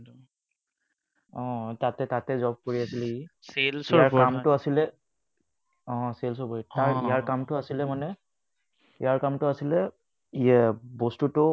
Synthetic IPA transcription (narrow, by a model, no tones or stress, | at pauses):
ɔ̃tatɛtatɛzɔb̚koɹiasilɛkiselsijaɹkamtʊasilɛ | ɔ̃sels̬ɔɹboɹitaɹijaɹkamtʊasilɛmanɛ | ijaɹkamtʊasilɛ | ijabɔstutʊ